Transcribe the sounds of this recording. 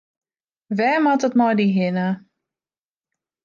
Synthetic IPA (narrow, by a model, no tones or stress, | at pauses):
ʋɛːmatətmɔjdiɦɪnə